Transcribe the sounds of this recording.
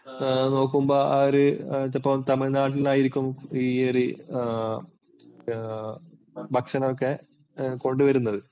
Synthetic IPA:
no̞ːk̬ːumbo̞ːaːɾɨt̪ːɐpːɐmt̪ɐmɐɭnaːʈ̬ːilnaːjiɾikʲːumieri | bɐkʂɐnɐokːe̞ | ko̞ɳɖuʋɐɾunːɐðɨ

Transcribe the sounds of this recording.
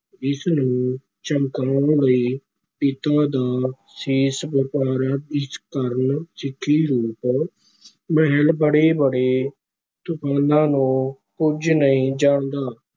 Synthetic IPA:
ɪsnũː | t͡ʃəmkãːləiː | pɪt̪aːd̪aː | siːsʋɪpaːɾaːɪskəɾənsɪkʰːiːɾuːp | mɛɦəlbəɽeːbəɽeː | t̪ʊkʰaːnãːnũː | kʊd͡ʒnəĩːd͡ʒaːɳd̪aː

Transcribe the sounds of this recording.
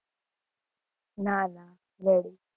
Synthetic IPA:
naːna | leɽi

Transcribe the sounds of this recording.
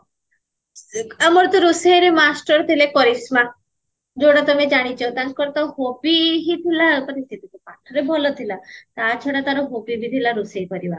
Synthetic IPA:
amɔɾt̪ɔɾusejɾemasʈəɾt̪ʰilekɔɾisma | d͡ʑoɽat̪ɔmed͡ʑaɽ̃it͡ɕɔt̪ãnkɔɾt̪ɔɦopiɦit̪ʰilakəɾit̪et̪et̪ɔpaʈʰəɾebʱɔlɔt̪ʰilat̪at͡ɕʰɔɽat̪aɾɔɦopibʱit̪ilaɾusejpəɾiʋa

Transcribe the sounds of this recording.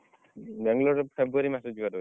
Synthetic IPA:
bɛŋlɔɾpʰebuaɾimasɔd͡ʒuatɔɦ

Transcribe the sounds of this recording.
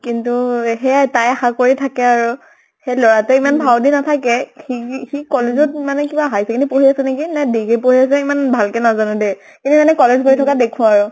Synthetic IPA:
kintuxɛtajaxakoɹitʰakɛaɹʊ | xɛlɔɹatɛimanbʱawdinatʰakɛxixikɔlezɔt̚manɛkibaɦajsɛkinupoɦiasɛnekinɛdiɡipoɦiasɛimanbʱalkɛnazanʊde | kinuzanɛkɔlezkoɹitʰɔkadekʰʊ̃aaɹʊ

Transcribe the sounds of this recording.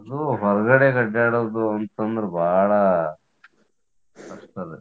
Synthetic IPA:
ɐd̪uɦɔɾɐɡɐɽekɐɖaːɽoːd̪uɐnt̪ɐnd̪ɾebʱaːɭɐ | ɐʂt̪ɐd̪e

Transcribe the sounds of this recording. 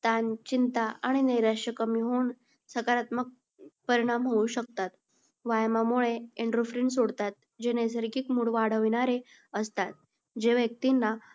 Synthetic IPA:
t̪ant͡ɕint̪aaɽ̃ineɾaɕəkəmiɦoːɳ | səkaɾat̪mək̚ | pəɾiɽ̃amɦouɕək̚t̪at̪ | ʋajmamoɭeeɳɖɾofɾiɳs̬oɽt̪at̪̚ | d͡ʑenes̬əɾɡiːkmuːɽʋaɽ̤əʋiñaɾe | əst̪at̪̚ | d͡ʑeʋjək̚t̪inːa

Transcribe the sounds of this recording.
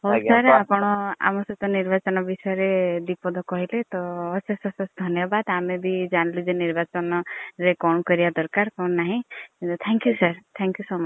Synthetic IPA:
ɦowsaɾapɔɽ̃ɔa̰mɔsɔt̪ɔniɾbat͡ʃɔnɔbisɔjɔɾed̪ipɔd̪ʱɔkɔɦilet̪ɔːsɔsɔsɔsd̪ʱɔnjɔbad̪amebid͡ʒañlid͡ʒeniɾbat͡ʃɔnɔɾekɔnɔkɔɾibad̪ɔɾkaɾkɔnɔnaɦĩkint̪ut̪ʰɛŋkjusaɾt̪ʰɛŋkjusoma

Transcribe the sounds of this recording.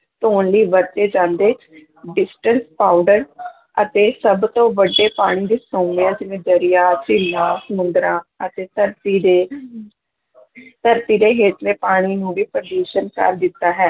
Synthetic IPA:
t̪oːnliːʋəɾt̪eːd͡ʒãːnd̪eːt͡ʃ | ɖɪsʈənspaːʊɖəɾ | ət̪eːsəbt̪õːʋəɖːeːpaːɽ̃iːd̪iːsoːmɪjãːd͡ʒɪʋẽːd͡ʒ̪əɾijaːt͡ʃɪlːãːsəmʊ̃nd̪ɾãːət̪eːt̪əɾt̪iːd̪e | t̪əɾt̪iːd̪eːɦeːt̪ʰleːpaːɽ̃iːnũːʋiːpɾəɖuːʃənkə̰ɾd̪ɪt̪ːaːɦɛː

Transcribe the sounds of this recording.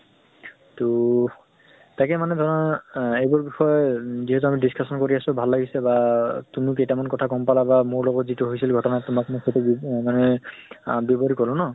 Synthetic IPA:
to | tajkɛmanɛdʱɔɹnaejbɔɹbixɔjɔziɦɛtuamidiskʰasɔnkoɹiasʊbʱalːaɡisɛbatumikejtamankɔtʰakɔmpalabamʊɹlɔɡɔtzituɦojsilɡʱɔtɔnatʊmakmoxʰojtubmanɛ | bebɔɹikɔlʊ̃nɔ

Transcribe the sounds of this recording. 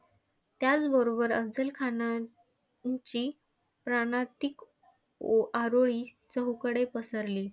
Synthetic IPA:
t̪jat͡sbəɾobəɾəd͡zəlkʰana | t͡ɕiː | pɾaɽ̃at̪ik | aɾoɭiː | t͡səɦukəɽepəsəɾliː

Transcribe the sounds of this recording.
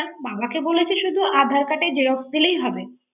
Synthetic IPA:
babakebolet͡ɕʰeʃud̪ʱuʔad̪ʱaɾkaʈed͡ʑeɾokd̪ilejɦɔbe

